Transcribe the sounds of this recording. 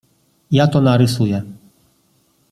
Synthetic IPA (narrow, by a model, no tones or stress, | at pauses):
jat̪ɔnaɾɪsujɛ